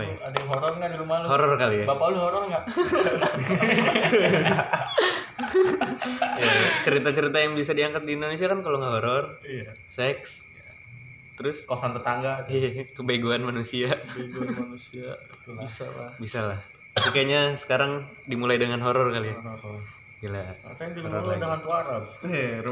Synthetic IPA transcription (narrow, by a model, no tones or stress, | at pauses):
ajaadaɦoɾɔrŋɡadiɾumahluhoɾɔrkaliabapauluhoɾɔrŋɡaʔ | at͡ʃəɾit̪at͡ʃəɾit̪ajaŋbisadiaŋkat̪̚diːndonesiakankaloŋɡaɦoɾɔrijasɛks | t̪əɾʊskosant̪ət̪aŋɡaakəbeɡuanmanusiabeɡuanmanusia | t̪isalabisalah | pikajɲasə̥kaɾaŋ | dimulajdəŋanɦoɾɔrkalia | ilaakajaŋd͡ʒulɔɾɔldaŋant̪uaɾap̚